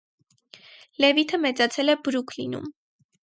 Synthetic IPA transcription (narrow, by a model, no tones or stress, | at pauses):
lɛvit̪ʰəmɛt͡sɑt͡sʰɛlɛbɾukʰlḭnṵm